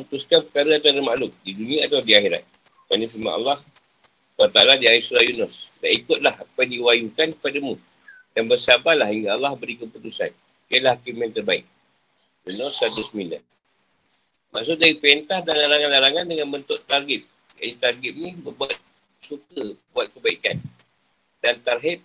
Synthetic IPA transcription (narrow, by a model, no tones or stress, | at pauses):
unt̪uskapəkaɾəat̪aɾəmaʔlʊk̚didunĩaːt̪awdiaxiɾa̰t̪̚ | kanəfima̰ʔa̰lːɑh | wat̪a̰ladiaɪsuɾajunɔsdaʔikʊt̪̚lahapajdiwajukankəpadəmu | jaŋbərsabalahiŋɡaalːɑhbəɾikəput̪usa̰n | iəlahakimɛ̃nt̪ərbaɪk̚ | junɔsad̪əsəmina̰ | maʔsʊk̚daɾipent̪ahdalalaŋanlaɾaŋandəŋanbənt̪ʊʔt̪arɡɪt̪̚ | anit̪arɡɪt̪̚nĩbərbuat̪̚ | sukəbuat̪̚kəbaikan | dant̪arɦit̪̚